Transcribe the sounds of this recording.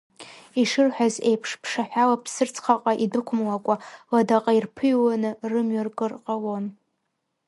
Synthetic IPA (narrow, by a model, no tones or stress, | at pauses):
iʂɨrħʷᶣazejpʰʂpʰʂaħʷᶣalapʰsɨrt͡sʰʼχaqʼaʔidɨkʷʰʊmlakʷʼaladaqʼairpʰɨjwanɨrɨmɥarkʼɨrqʼalon